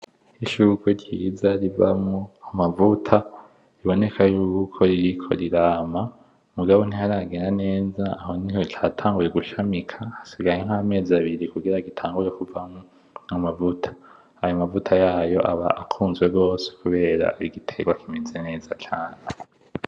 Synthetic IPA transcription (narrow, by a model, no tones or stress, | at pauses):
iʃukweɾɟiːzaɾivamŋoamavutʰa | iβo̞ne̞kʰajuːkukʰo̞ɾiɾikʰo̞̰ɾiɾaːma | muɡaβon̥ihaɾaɡe̞ːnane̞ːzaːho̞nihot͡ʃaːtʰaːŋɡuje̞ɡuʃamikʰahasiɡajeŋ̥hame̞ːzaβiɾikuɡiɾaɡitʰaːŋɡuɾe̞kuvamŋo | amavutʰḁ | ajomavutʰajaːjo̞ʔaβa̰akʰuːnzɡwe̞ɡo̞ːse̥kuβe̞ːɾa̰iɡitʰeɡwakimizene̞ːzat͡ʃaːn̥e